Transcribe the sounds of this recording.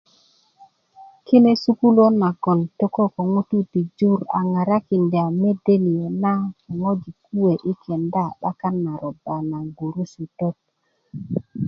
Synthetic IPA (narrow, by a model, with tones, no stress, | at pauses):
ki˦ne˦su˦ku˦lo˦nːa˨ɡo˨nto˦ko˦ko˨ŋu˦tu˦ti˨d͡ʒu˦˨ɾa̰˨ŋa˨ɾa˦ki˨nde˨a˨me˦de˦ni˨o˨na˦ko˨ŋo˦d͡ʒi˨ku˦we˨ʔi˦kʰe˨nda˦˨ɗa̰˦ka˦nːa˨ɾo˨ba˨na˨ɡu˨ɾu˦si˨to˦t̚